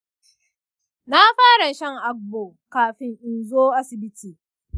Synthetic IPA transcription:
na˦ɸaː˦ɽa˨ʃɐ˦ŋʔa˦k̚boː˨ | kaː˨ɸɪ˦ŋʔɪ˨nzoː˦ʔa˦sɪ˨bɪ˦tʰiː˨

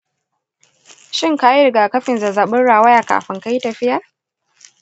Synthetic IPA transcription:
ʃɪ˦ŋka˦ji˦ɾɪ˨ɡaː˨kɐ˦ɸɪ˨nza˨zaː˨ɓʊ˦nɽaː˨wɐ˦jaː˨ka̰ː˨ɸɪ˦ŋka˦ji˦tɐ˨ɸɪ˦jɐ˨r

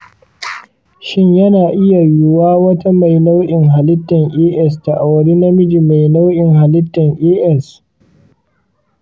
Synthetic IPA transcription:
ʃɪ˦ɲjɐ˦naː˨ʔɪ˦ja˨jʊ˦waː˦wɐ˦ta˦ma˨jna˦wɗɪ˨ŋɦa˨lɪ˦tːɐ˨ŋʔeː˦ʔɛ˦sta˨ʔa˨wɐ˨ɽi˦na˦mɪ˦d͡ʒi˨ma˨jna˦wʔɪ˨ŋɦa˨lɪ˦tːɐ˨ŋʔeː˦ʔɛ˦s

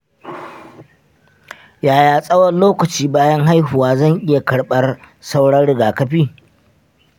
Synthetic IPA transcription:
jaː˨jaː˨sʼɐ˦wɐ˦nloː˦kɐ˨t͡ʃiː˦baː˦jɐ˦ŋɦa˦jɦʊ˨waː˦zɐ˦˨ŋʔɪ˦ja˨kɐ˨ɽɓɐ˦r | sa˦wɽɐ˦nɽɪ˨ɡaː˨kɐ˦ɸiː˦

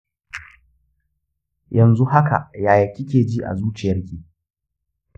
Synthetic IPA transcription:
jɐ˨nzu˦ɦa˦ka̰˨ʔjaː˨jɐ˨kʲi˦kʲeː˨d͡ʒiː˦ʔa̰˨zuː˦t͡ʃɪ˨jɐ˦rkʲiː˨

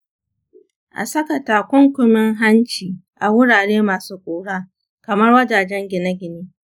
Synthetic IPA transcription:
ʔa̰˨sɐ˦kɐ˨taː˨kʷʊ˦ŋkʷʊ˨mɪ˦ŋɦa˦nt͡ʃiː˨ʔa˨wʊ˦ɽaː˨ɽeː˦maː˨suː˦kʷʼoː˨ɽaː˦ | kɐ˨mɐ˦rwɐ˦d͡ʒaː˨d͡ʒɛ˦ŋɡʲɪ˨nɐ˦ɡʲɪ˨niː˦

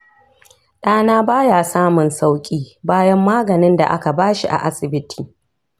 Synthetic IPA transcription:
ɗaː˦naː˦baː˦jaː˨saː˦mʊ˨nsa˦wkʲʼiː˦baː˦jɐ˦mːaː˦ɡɐ˨nɪ˦nda̰˨ʔa̰˦ka˨baː˦ʃi˦ʔa̰˨ʔa˦sɪ˨bɪ˦tʰiː˨

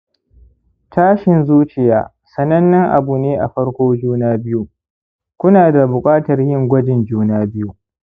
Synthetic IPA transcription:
tʰaː˦ʃɪ˨nzuː˦t͡ʃɪ˨jaː˨ | sɐ˨nɐ˦nːɪ˦ŋʔa̰˨bu˨neː˦ʔa˨ɸɐ˦ɽkʷoː˦d͡ʒuː˦naː˦bɪ˦ju˦ | kʷʊ˦naː˨da˨bʊ˨kʼaː˦tɐ˨rjɪ˦˨ŋɡʷɐ˦d͡ʒɪ˨nd͡ʒuː˦naː˦bɪ˦ju˦

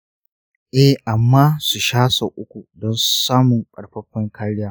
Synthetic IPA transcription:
ʔɛ˦hʔa˨mːaː˦su˨ʃaː˦sa˨ʔʊ˦kʷu˨dɔ˦nsaː˦mʊ˨ŋkʼɐ˨ɽɸɐ˦ɸːɪ˦ŋkʰaː˦ɽɪ˦jaː˦

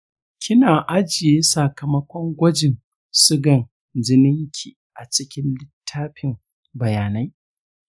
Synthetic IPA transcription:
kʲɪ˦naː˨ʔa˦d͡ʒɪ˨jeː˦sɐ˨kɐ˨mɐ˦kʷɔ˦ŋɡʷɐ˦d͡ʒɪ˨n | sʊ˦ɡɐ˨n | d͡ʒɪ˦nɪ˦ŋkʲʰi˨ʔa˨t͡ʃɪ˦kʲɪ˦nlɪ˦tʰːaː˦ɸɪ˨m | bɐ˨jaː˨na˦j

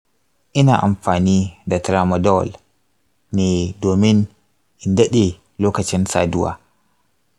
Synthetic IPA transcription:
ʔɪ˦naː˨ʔa˨mɸaː˨niː˦da˨tɾa˨ma˨dɔ˦w̰l | neː˨doː˨mɪ˦n | ʔɪ˨ndɐ˦ɗe˨ | loː˦kɐ˨t͡ʃɪ˦nsa̰ː˨dʊ˦wa̰ː˨

